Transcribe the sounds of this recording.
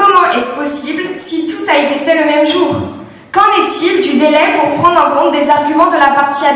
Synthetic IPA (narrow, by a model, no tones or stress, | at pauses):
ɔmɑ̃ʔɛspɔsiblsit̪ut̪aet̪efɛləmɛmʒuːʁ | kɑ̃nɛt̪ild̪yd̪elɛpuʁpχɑ̃d̪ʁɑ̃kɔ̃t̪̚d̪ezaʁɡʲymɑ̃d̪əlapaʁt̪ia